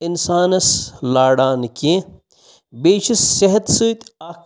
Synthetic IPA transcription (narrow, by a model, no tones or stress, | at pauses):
insaːnɐslaːɽaːnkẽ | beːʃisːeɦɐt̪sɨːt̪aː